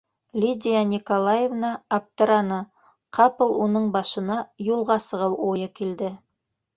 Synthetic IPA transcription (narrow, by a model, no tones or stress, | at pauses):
lʲid̪ʲijanʲikolˠajevnɑːp̚t̪ɤ̆ɾɑnɤ | qʰɑpɤ̆lˠunɤɴbɑʃɤ̆nɑjulˠʁɑsɤ̆ʁɤwʔojɤkild̪ɘ